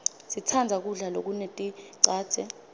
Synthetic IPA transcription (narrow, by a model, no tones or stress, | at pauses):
sitʰand͡zʱak̬uɮalok̬unetʼiǀaːd̥z̥ʱɛ